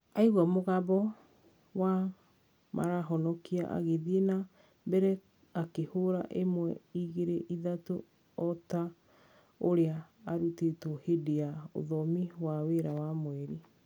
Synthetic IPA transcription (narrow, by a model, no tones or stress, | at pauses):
aiɣwamoɣabɔ | wa | ma̰ɾaɦɔnɔkia̰ʔa̰ɣeðiena | bɛɾɛ | akehoɾa̰ʔemwɛiɣeɾeʔiðato | ɔta | oɾeaːɾutetohedeao̰ðɔmiwaweɾawamwɛɾi